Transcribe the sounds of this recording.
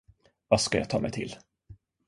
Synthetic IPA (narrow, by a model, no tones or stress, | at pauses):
vaskaja̰t̪ʰɑ̰ːmɛjt̪ʰɪl